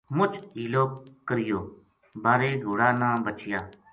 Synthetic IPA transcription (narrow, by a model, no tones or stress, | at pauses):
mʊt͡ʃiːloːkːəɾɪjoː | baːɾeːɡʱoːɽaːnãːbət͡ʃɪjaː